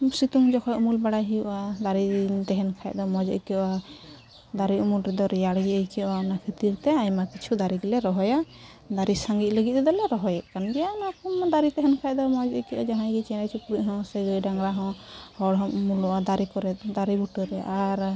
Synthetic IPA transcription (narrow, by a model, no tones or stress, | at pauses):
sit̪uŋd͡ʒɔkʰɔʔmulbaɽaɦijuʔad̪aɾit̪ɛɦɛnkʰaj̚d̪ɔmɔd͡ʒɔ̰ʔḭkɛwa | d̪aɾiumulɾɛd̪ɔɾɛjaɽɡiəjkɛaɔnakʰət̪iɾt̪ɛajmakit͡ʃʰud̪aɾiɡilɛɾɔɦɔja | d̪aɾisaŋɡit̪̚ləɡit̪̚ɛd̪ɔlɛɾɔɦɔjɛʔkanbɛjanakɔmd̪aɾit̪ɛɦɛnkʰaj̚d̪ɔmɔd͡ʒɔʔkɛʔad͡ʒaɦãjɡit͡ʃɛnat͡ʃʰupɾuʔɦɔ̃səɡəjɖaŋɡɽaɦɔ̃hɔɽɦɔ̃mulɔʔad̪aɾikɔɾɛt̪̚d̪aɾibuʈɔɾɛʔaɾ